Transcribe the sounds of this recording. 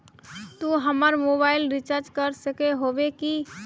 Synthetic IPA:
t̪uɦəməɾmobaɪlɾit͡ʃəɾd͡ʒkəɾsəkeɦobeki

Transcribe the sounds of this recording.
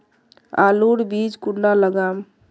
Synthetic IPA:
a̰luɽbid͡ʒkuɽnaləɡam

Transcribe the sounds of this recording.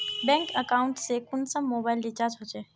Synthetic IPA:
bɛ̃ŋkəkaʊɳʈsekʊnsəmːoːbaːɪlɖɪt͡ʃaːɾd͡ʒɦot͡ʃe

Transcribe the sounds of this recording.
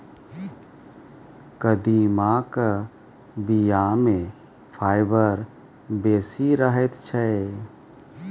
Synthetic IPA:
kəd̪imakə | bijamẽ | pʰaːɪbəɾ | beːsiɾəɦɛt̪t͡ʃʰɛ

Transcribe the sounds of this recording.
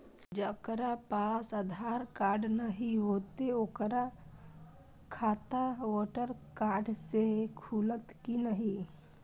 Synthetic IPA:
d͡ʒəkəɾapaːsəd̪ʱaːɾkaːɾɖnəɦĩɦoːt̪eokəɾa | kʰaːt̪aʋɔːʈəɾkaːɾɖsekʰuːlət̪kinəɦĩ

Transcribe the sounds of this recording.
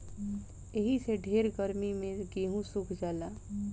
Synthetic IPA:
eɦiseɖʱeːɾɡəɾmimẽɡeɦũsukʰd͡ʒaːlaː

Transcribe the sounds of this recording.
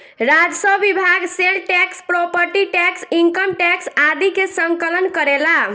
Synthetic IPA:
ɾad͡ʒsəbibʱaɡselʈɛkspɾɔpəɾʈiʈɛksiŋkəmʈɛksad̪ikesəŋkələnkəɾela

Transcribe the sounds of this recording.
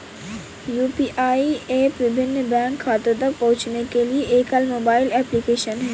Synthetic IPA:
juːpiːʔaːiepʋɪbʱɪnːəbɛ̃ːŋkʰːaːt̪ɪɾd̪apɐ̃ɦʊt͡ʃnekelieʔeːkɦaːlmoːbaːɪlɛːplikeːʃənɦɛː

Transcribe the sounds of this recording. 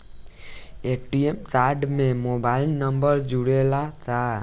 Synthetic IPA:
eʈiemsaɖmẽmobailnəmbəɾd͡ʒuɽelat̪ʰa

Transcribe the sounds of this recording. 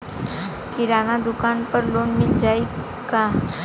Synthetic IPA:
kiɾanad̪ukanpəɾlonmild͡ʑai | ka

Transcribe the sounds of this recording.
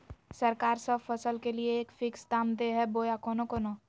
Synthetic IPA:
səɾkaːɾsəbfəsəlkelieːkfɪksd̪aːmd̪eɦɛboːjakoːnokono

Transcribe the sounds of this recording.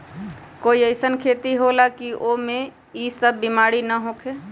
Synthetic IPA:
koːiəɪsənkʰeːt̪iɦolakiʔomẽ | isəbːimaːɽinəɦoːkʰeː

